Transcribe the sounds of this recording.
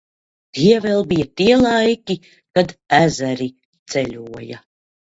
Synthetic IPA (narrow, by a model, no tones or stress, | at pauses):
t̪iɛvɛlˠbijat̪iɛlˠajkʲi | kad̪æzæɾi | t̪sɛlʲuɔja̰